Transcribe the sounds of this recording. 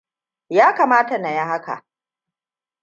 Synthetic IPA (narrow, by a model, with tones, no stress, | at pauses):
jaː˦kaː˨maː˦ta˨na˨ja˦ɦa˦ka̰˨ʔ